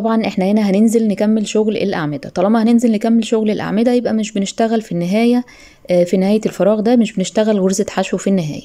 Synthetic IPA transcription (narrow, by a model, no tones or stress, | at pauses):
t̪ˤɑbʕɑnʔeħnæhenæɦænenzelnekæmːelʃoɣlʔḛlʔa̰ʕmed̪æt̪ˤɑlɑmɑhænenzelnekæmːelʃoɣlelʔa̰ʕmed̪æjebʔæmeʃbeneʃt̪æɣælfinːeɦæːjæ | finehæːjælfɑɾˤɑːɣd̪æmeʃbeneʃt̪æɣælɣoɾzet̪ħaʃwefinːeɦæ̰ːjæ